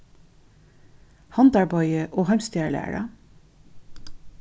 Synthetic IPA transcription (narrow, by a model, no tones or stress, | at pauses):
hɑnd̪ɑɹbɔʏəʔoːhɑmst̪jæːɹɭæ̰ːɹɑ̰